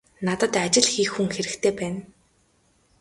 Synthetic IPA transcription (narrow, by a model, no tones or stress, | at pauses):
nat̪ə̆t̪at͡ɕɪ̆ɮxiːxːuŋxeɾɘ̆kt̪ʰeːpæːn